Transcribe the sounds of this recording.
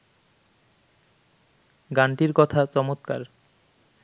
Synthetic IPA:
ɡaɳʈiɾkɔt̪ʰat͡ɕɔmot̪ka̰ɾ

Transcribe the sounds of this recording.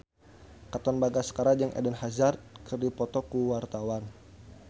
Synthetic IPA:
kat̪ɔnbaɡasə̥kaɾad͡ʒəŋʔɛ̰dɛnhazart̪̚kərdipɔt̪ɔkuwart̪awan

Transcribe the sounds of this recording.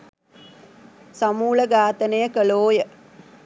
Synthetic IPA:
samuːləɡaːt̪ənəjəkəloːjə

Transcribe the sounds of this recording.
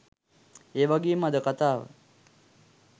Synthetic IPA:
eːʋaɡeːmad̪əkat̪aːʋə̰

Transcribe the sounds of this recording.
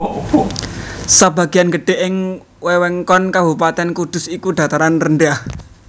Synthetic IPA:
saba̤ɡ̥i̤anɡə̤ɖ̥e̤ʔɪŋ | wɛwɛŋkɔnkabupat̪ɛnkud̪̥ʊ̤sikud̥̪a̤t̪aɾanrənɖah

